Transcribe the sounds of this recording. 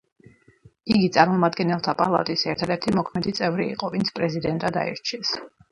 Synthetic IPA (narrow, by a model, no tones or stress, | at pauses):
iɡit̪sʼaɾmɔmad̪ɡɛnɛlˠt̪ʰapʼa̰lˠa̰t̪ʼisɛɾt̪ʰad̪ɛɾt̪ʰimɔkʰmɛd̪it̪sʼɛvɾḭːqʼɔvint̪sʰpʼɾɛzid̪ɛnt̪ʼad̪a̰ḭɾt͡ʃʰiɛs